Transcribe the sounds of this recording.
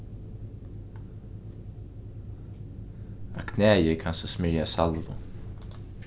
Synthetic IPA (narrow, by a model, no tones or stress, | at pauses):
akʰnɛːjɪkʰansɔsmɪɹjasalvʊ̰